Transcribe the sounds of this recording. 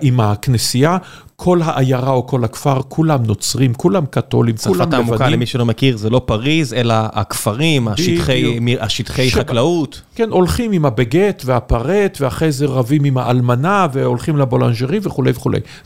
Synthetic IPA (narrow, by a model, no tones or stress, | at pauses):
imhaknesija | kʰo̞lɦaʔajaʁaoko̞lhakfaʁkʰulamno̞t͡sʁimkulamkat̪o̞̰limulamaemvakalemiʃelomekiʁzelo̞paʁizelaakfaʁimadʃiχejmiaʃit̪χejʃχaklaut̪ | kenʔo̞lχimimhabeɡet̪veapaʁet̪veaχejzeʁavimimhaʔalmanave̞o̞lχimlabola̰nʒeʁiveχulejveχulḛj